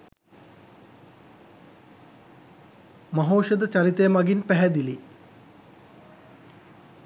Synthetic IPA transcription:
mɐɦoːʃəd̪ət͡ɕaɾit̪ejəmaɡinpæɦɛd̪ili

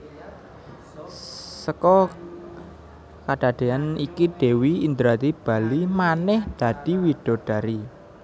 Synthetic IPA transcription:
səkɔ | kaɖ̥a̤d̪̥e̤anikiɖ̪̥e̤wiind̪ɾat̪ib̥a̤limanɛhd̪̥ä̤d̪̥i̤wiɖ̥o̤ɖ̪̥a̤ɾi

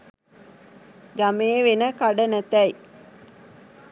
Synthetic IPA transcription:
ɡameːʋenəkaɖənət̪ɛj

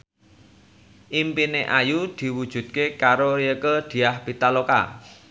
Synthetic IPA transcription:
ʔimpineʔajud̪̥i̤wud̥ʒ̥ṳd̪̚kekaɾoɾiəkəd̪̥i̤ahb̥i̤t̪aloka̰

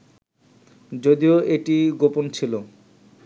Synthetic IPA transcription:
d͡ʑod̪ioʔeʈiɡopont͡ɕʰilo

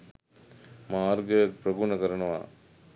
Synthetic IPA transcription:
maːɾɡɐpɾɐɡunɐkɐɾɐɳɐʋa̰ː

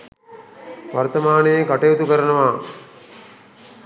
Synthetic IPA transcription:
ʋɐrt̪ɐmaːnejekɐʈejut̪ukəɾɐnɐʋaː

